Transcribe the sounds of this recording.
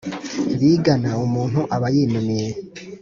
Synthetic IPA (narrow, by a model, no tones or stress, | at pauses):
βiːɡanaumuːn̥huʔaβajiːnumije